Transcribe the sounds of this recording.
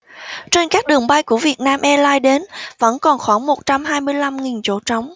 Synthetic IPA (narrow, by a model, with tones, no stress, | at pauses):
t͡ɕe˧nkaː˦˥k̚ɗɨ˨˩əŋɓa˧jku˧˩əvi˨˩ət̚naː˧mʔɛ˧laː˧jɗe˨˦nvə̰˧˥nkɔ˨˩nxwaː˧˩ŋmo˨˩t̚t͡ɕa˧mɦaː˧jmɨ˧əjla˧mŋi˨˩nt͡ɕo̰˧˥t͡ɕɔ˨˦wŋ͡m